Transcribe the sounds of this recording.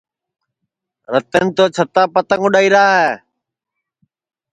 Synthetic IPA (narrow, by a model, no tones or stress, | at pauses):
ɾət̪ənt̪oːt͡ʃʰət̪aːpət̪əŋʊɗaːiːɾaːɦɛː